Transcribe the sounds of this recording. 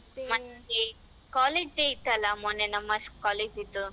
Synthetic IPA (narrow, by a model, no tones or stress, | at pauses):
mɐne | kaːleːd͡ʒeit̪ːɐlɐmonenɐmːɐʂkaːleːd͡ʒit̪ːu